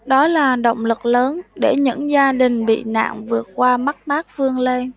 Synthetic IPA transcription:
ɗɔ˨˦laː˨˩ɗə̰˧˨wŋ͡mlɨ˨˩k̚ləː˨˦nɗe˧˩ɲɨ̰˧˥ŋzaː˧ɗï˨˩ŋ̟ɓḭ˧˨na̰ː˧˨ŋvɨ˨˩ət̚kwaː˧ma˦˥t̚maː˦˥k̚fɨ˧əŋle˧j

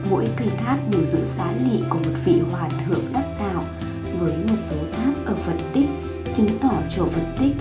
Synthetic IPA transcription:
mo̰˧˥jkə˧jt̪ʰaː˦˥k̚ɗu˧˩zɨ̰˧˥saː˨˦ŋḭ˧˨ku˧˩əmo˨˩t̚vḭ˧˨hwaː˨˩t̪ʰɨ̰˧˨əŋɗa˦˥p̚t̪a̰ː˧˨w | vəː˨˦jmo˨˩t̚so˨˦t̪ʰaː˦˥k̚ʔəː˧˩fə˧˩nt̪ï˦˥k̟̚ | t͡ɕɨ˨˦ŋt̪ɔ˧˩t͡ɕo˧˩fə˧˩nt̪ï˦˥k̚

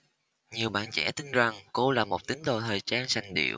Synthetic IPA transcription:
ɲi˨˩əwɓa̰ː˧˨nt͡ɕɛ̰˧˥t̪ï˧ŋ̟za˨˩ŋko˧laː˨˩mo˨˩t̚t̪ï˨˦ŋ̟ɗo̰˧˩t̪ʰəː˨˩jt͡ɕaː˧nsa˨˩jŋ̟ɗḭ˧˨əw

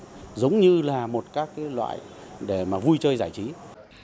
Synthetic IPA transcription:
zə˨˦wŋ͡mɲɨ˧laː˨˩mo˨˩t̚kaː˦˥kːaː˨˦jlwa̰ː˧˨jɗe˧˩maː˨˩vu˧jt͡ɕəː˧jzaː˧˩jt͡ɕi˨˦

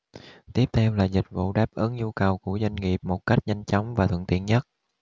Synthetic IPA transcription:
t̪i˦˥əp̚t̪ʰɛ˧wlaː˨˩zï˨˩k̟̚vṵ˧˨ɗaː˦˥p̚ʔəː˨˦nɲu˧kə˨˩wku˧˩əzwa˧jŋ̟ŋi˨˩əp̚mo˨˩t̚ka˦˥jk̟̚ɲa˧jŋ̟t͡ɕɔ˨˦wŋ͡mvaː˨˩t̪ʰə̰˧˨nt̪ḭ˧˨ənɲə˦˥t̚

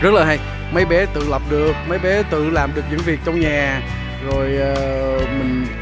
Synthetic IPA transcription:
zə˦˥t̚laː˨˩a˧j | mə˨˦jɓɛ˨˦t̪ɨ̰˧˨lə˨˩p̚ɗɨ˨˩ək̚mə˨˦jɓɛ˨˦t̪ɨ̰˧˨laː˨˩mɗɨ˨˩ək̚ɲɨ̰˧˥ŋvi˨˩ək̚t͡ɕɔ˧wŋ͡mɲaː˨˩ | zo˨˩jːmï˨˩ŋ̟

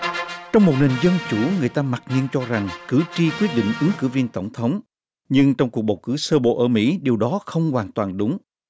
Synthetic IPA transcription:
t͡ɕɔ˧wŋ͡mmo˨˩t̚ne˨˩nzə˧nt͡ɕu˧˩ŋɨ˨˩əjt̪aː˧ma˨˩t̚ŋi˧ənt͡ɕɔ˧za˨˩ŋkɨ˧˩t͡ɕi˧kwi˦˥ət̚ɗḭ˧˨ŋ̟ʔɨ˨˦ŋkɨ˧˩vi˧ənt̪ə˧˩wŋ͡mt̪ʰə˨˦wŋ͡m | ɲɨ˧ŋt͡ɕɔ˧wŋ͡mku˨˩k̚ɓə˨˩wkɨ˧˩səː˧ɓo̰˧˨ʔəː˧˩mḭ˧˥ɗi˨˩əwɗɔ˨˦xə˧wŋ͡mkwaː˨˩nt̪waː˨˩nɗʊ˨˦ŋ͡m

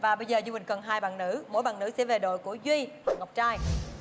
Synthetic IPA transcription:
vaː˨˩ɓə˧jzəː˨˩zɨ˧ɓï˨˩ŋ̟kə˨˩nɦaː˧jɓa̰ː˧˨nnɨ̰˧˥mo̰˧˥jɓa̰ː˧˨nɨ̰˧˥sɛ̰˧˥ve˨˩ɗo̰˧˨jku˧˩əzwi˧h̚ŋ˨˩wk͡p̚t͡ɕaː˧j

